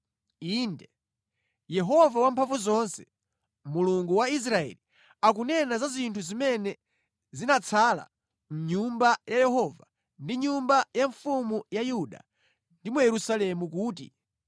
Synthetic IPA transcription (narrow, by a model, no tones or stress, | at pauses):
indɛ | jɛɦɔvawampʰaɱvuzɔnsɛ | muluŋɡuwais̬ɾaɛ̰li | akunɛnazazintʰuzimɛnɛ | zinat͡sʰaːla̰ | m̩ɲumbajajɛɦɔva | ndiɲumbajaɱfumujajuɗa̰ | ndimujɛɾusalɛmuk̬uːtḭ